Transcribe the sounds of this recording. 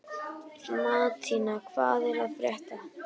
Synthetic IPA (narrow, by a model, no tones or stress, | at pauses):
maðt̪ʰinakʰva̰ːðɛɾaðfɾjɛht̪a